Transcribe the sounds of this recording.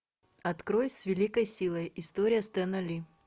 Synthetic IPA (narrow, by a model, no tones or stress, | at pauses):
ɐt̪kɾojsʲvʲɪlʲikəjsʲilˠəjɪst̪oɾʲɪjəst̪ɛnɐlʲi